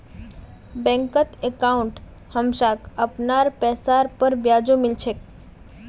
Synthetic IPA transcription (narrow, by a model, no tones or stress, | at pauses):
bɛ̃ŋkət̪ekaũɳʈ | həmʃakəpnaɾpɛsaɾpəɾbjad͡ʒumɪlt͡ʃʰek